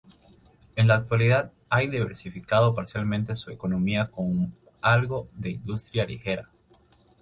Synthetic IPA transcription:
e̞nlaːk̚t̪waliðað | ajðiβ̞e̞̰ɾsifikað̞o̞paɾsjalmẽ̞nt̪e̞sue̞ko̞no̞miako̞ŋ | alɣo̞ðe̞ind̪ust̪ɾjalḭxe̞ɾa

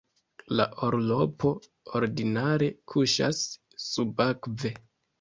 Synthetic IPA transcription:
la̰ʔoɾlo̞pʰo̞ | oɾdinaɾe̞kʰuʃa̰sː | ubakve̞

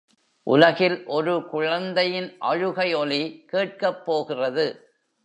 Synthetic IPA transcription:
ʔʊ̰lɐɣɪlʔɔɾɯkʊɻɐnd̪ɐjɪnʔɐ̰ɻɯɣɐɪɔlikeːʈ̚kɐpːoːɣɪrɐðɯ

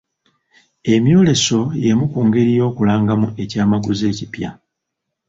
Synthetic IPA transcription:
e̞mjo̞ːle̞so̞je̞mukuːŋɡe̞ɾijo̞ːkulaːŋɡamue̞caːmaɡuze̞ːcipja̰

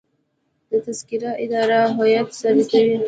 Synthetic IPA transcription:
d̪̥ət̪askiɾaʔɪd̪ɑɾaɦɔjat̪sabik̪awi

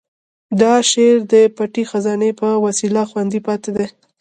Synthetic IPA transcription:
d̪ɑʃeɾd̪əpaʈixazɑnepəwasilaxwand̪ipɑt̪ed̪e

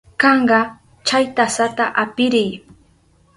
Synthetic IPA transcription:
kɑɴɢɑ | t͡ʃajt̪asat̪aʔapɪɾɪj

